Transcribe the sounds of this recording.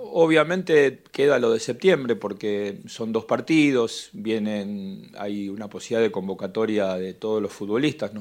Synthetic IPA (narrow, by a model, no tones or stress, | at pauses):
oβ̞jamẽnt̪ekeðalo̞ðese̞p̚t̪je̞mbɾe̞po̞ɾkeso̞nd̪o̞spaɾt̪iðo̞sbje̞nena̰junaposiliðaðeko̞mbo̞kat̪o̞ɾjaðet̪o̞ð̞oslo̞sfut̪̚βo̞list̪asno